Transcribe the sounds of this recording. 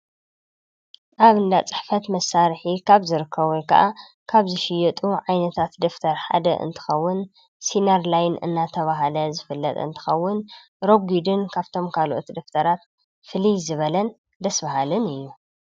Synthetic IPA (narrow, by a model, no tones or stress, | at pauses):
ʔaβɨnd̪at͡sʼɨ̥ħfɐt̪mɐsːaɾħikʰaβzɨɾɨkʰːɐβujkʰɐ̰ʔa | kʰaβzɨʃɪjɐt̪ʼuʕajnɐt̪ʰat̪d̪ɨft̪ʰɐɾħa̰d̪ɐ̰ʔɨ̰nt̪ʰɨ̥xɐwːʊn | sinɐɾlajnɨ̰nːat̪ʰɐβaɦalɐzɨfɨlːɐt̪ʼɨ̰nt̪ʰɨ̥xɐwːʊn | ɾo̞ɡid̪ɨnkʰaβt̪ʰo̞mkʰalʔot̪d̪ɐft̪ʰɐɾat̪ | fɨlizɨβɐlɐn | d̪ɐsbɐɦalɨnɨjːu